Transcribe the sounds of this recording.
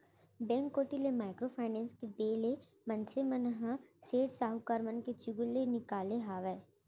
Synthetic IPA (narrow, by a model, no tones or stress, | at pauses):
bɛ̃ːŋkːoːʈilemaːɪkɾopʰaːɪnɛ̃ːnsked̪eːle | mɐ̃nsemənɦaseːʈsaːɦukaːɾmənket͡ʃʊɡʊlːenɪkaːleɦaːʋɛː